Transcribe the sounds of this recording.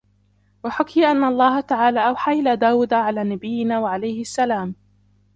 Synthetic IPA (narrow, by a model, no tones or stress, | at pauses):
waħʊkːiːʔanːaʔɑlˤːɑːhat̪aʕaːlaːʔawħaːʔɪlaːd̪aːwuːd̪aʕalaːnabɪjːɪnaːwaʕalajhɪʔasːalaːm